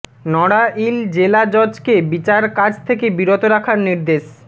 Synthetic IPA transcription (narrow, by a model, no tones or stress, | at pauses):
nɔɽaʔild͡ʑelad͡ʑɔd͡ʑkebit͡ɕaɾkad͡ʑʰt̪ʰekebiɾot̪oɾakʰaɾniɾd̪eʃ